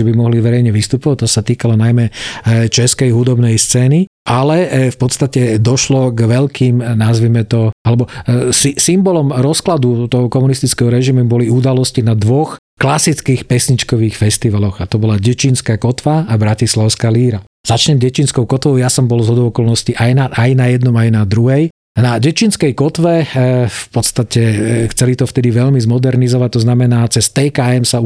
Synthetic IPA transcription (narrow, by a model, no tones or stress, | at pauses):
ʒɛbimɔɦliʋɛɾɛjɲɛʋist̪upɔʋac̚t̪ːɔsat̪iːkalɔnajmɛt͡ʃɛskɛjɦud̪ɔbnɛjst͡sɛːni | ʔalɛfpɔt̪st̪acɛd̪ɔʃlɔɡʋɛlkʰiːmnazʋimɛt̪ɔalɛbɔsisimbɔlɔmɾɔsklad̪ut̪ɔɦɔkɔmunist̪it͡skɛɦɔɾɛʒimubɔliud̪alɔscinad̪ʋɔx | klasit͡skiːxpɛsɲit͡ʃkɔʋiːxfɛst̪iʋalɔɣat̪ɔbɔlaɟɛt͡ʃinskaːkɔt̪ʋaabɾacislaʊskaːliːɾa | z̥at͡ʃɲɛmɟɛt͡ʃinskɔʊkɔt̪ʋɔʊjasɔmbɔlzɦɔd̪ɔʊɔkɔlnɔsciʔajnaʔajnajɛd̪nɔmajnad̪ɾuɦɛj | naɟɛt͡ʃinskɛjkɔt̪ʋɛfpɔt̪st̪acɛxt͡sɛlit̪ɔft̪ɛd̪iʋɛʎmizmɔd̪ɛɾnizɔʋac̚t̪ɔznamɛnaːt͡sɛst̪ɛkaɛmsa